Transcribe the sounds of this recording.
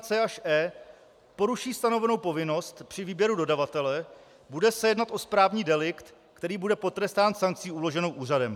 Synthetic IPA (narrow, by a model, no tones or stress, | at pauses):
t͡sɛːʔaʃʔɛː | po̞ɾuʃiːst̪ano̞vɛno̞wpo̞vɪno̞st̪pr̥ɪviːbjɛɾudo̞davat̪ɛlɛ | budɛsɛjɛdnat̪ʔo̞spɾaːvɲiːdɛlɪkt̪ | kt̪ɛɾiːbudɛpo̞t̪ɾɛst̪aːnsaŋk̚t͡siːulo̞ʒɛnowʔuːr̝adɛm